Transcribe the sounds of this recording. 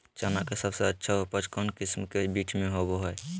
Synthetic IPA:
t͡ʃanakesəbseətːʃʰaɦopəd͡ʒkɔnkɪsmkebiːʈʰmẽɦoboɦɛe

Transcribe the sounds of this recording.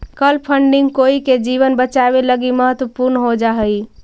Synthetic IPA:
kəlpʰəɳɖiŋɡkoiked͡ʒiʋənbət͡ʃabeləɡiməɦət̪wəpuɾnɦod͡ʒaɦəj

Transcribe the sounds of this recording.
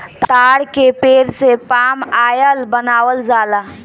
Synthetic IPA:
t̪aːɽkepeːɾsepaːmaːjəlbənaːwəld͡ʒaːd̪a

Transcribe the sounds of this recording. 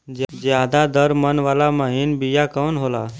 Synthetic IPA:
d͡ʒd͡ʒjad̪ad̪əɾmənʋalaməɦinbijakənɦola̰

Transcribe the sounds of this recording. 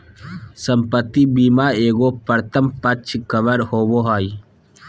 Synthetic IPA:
səmpət̪ːibiːmaːeːɡoːpəɾt̪ʰəmpət͡ʃʰkəʋəɾhoːboːɦaːi

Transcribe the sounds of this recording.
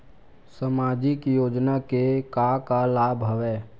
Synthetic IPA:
səmaːd͡ʒɪkjoːd͡ʒnakekakalaːbʱɦəʋeː

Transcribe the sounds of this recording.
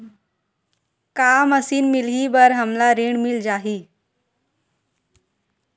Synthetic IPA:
kaməsiːnmiliːbəɾɦəmlaɾeɳmild͡ʑaɦiː

